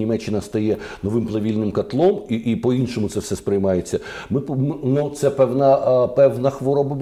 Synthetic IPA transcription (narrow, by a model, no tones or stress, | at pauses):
imɛt͡ʃːɪnɐst̪ɐjɛnɔʋɪmplˠɐʋʲilʲnɪmkɐt̪lˠɔmiipɔinʃɔmʊt̪sɛwsɛspɾɪjmɑjet͡sʲːɐ | mɪpmnut̪sɛpɛwnɐpɛwnɐxʋɔɾɔbɐbʲ